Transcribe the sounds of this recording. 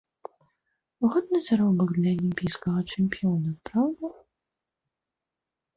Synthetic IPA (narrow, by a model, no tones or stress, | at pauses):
uɣɔd̪̚nɨzaɾɔbɐɡd̪lʲɐɐlʲimʲpʲijskɐɣɐt͡ʂɛmʲpʲijɔnɐpɾawd̪u